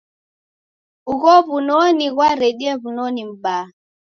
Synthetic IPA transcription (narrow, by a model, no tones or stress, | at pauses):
uɣɔβunɔniɣwaɾɛɗiɛβunɔnim̩ba